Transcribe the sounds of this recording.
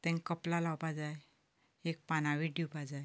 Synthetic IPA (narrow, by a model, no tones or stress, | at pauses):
t̪ɛ̃ŋkəplalawpad͡zaj | ek̚panaʋiɖiwpad͡zaj